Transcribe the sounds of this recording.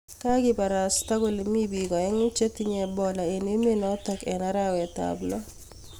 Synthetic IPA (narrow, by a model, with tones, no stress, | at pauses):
ka˦ɡɪ˦pa˨ɾa˨st̪a˦ɡo˨li˨mi˦bi˨ɡɔ˨ɛ˦ŋʊ˦t͡ʃe˦t̪i˦ɲɛ˨bɔ˨la˨e˨ne˦me˦nɔ˦t̪ɔ˦kɛ˨na˦ɾa˦wɛ˨t̪a̰blɔ˦